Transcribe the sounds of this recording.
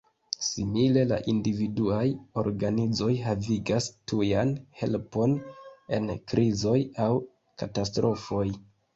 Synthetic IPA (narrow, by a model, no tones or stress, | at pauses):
simile̞la̰ʔindividuajo̞̰ɾɡanid͡zo̞jɦaviɡastujanhe̞lpo̞ne̞̰nkɾizo̞jaw | katas̬tɾo̞fo̞j